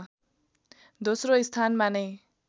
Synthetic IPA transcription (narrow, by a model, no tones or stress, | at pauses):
d̪osroist̪ʰanmanʌj